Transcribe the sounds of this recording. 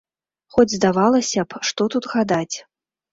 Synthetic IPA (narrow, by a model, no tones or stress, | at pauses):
xɔd͡zʲzd̪avalˠɐsʲɐpʂt̪ɔt̪ut̪ɣad̪at͡sʲ